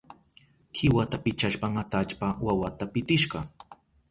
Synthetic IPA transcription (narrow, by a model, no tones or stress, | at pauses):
kʰɪwat̪apɪt͡ʃaʃpaŋat̪at͡ʃpawawat̪apɪt̪ɪʃɢɑ